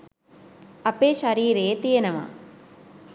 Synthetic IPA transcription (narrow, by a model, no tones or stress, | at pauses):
ɐpːeːʃɐɾiːɾeːt̪ijnɐma̰